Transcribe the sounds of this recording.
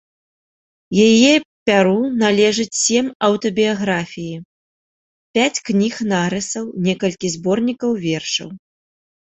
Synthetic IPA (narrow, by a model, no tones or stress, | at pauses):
jajɛpʲaɾunalʲɛʐɨt͡sʲsʲɛmɐwt̪ɔbʲijaɣɾafʲiji | pʲat͡sʲknʲixnaɾɨsɐwnʲɛkɐlʲkʲizbɔrnʲikɐwvʲɛrʂɐ̰w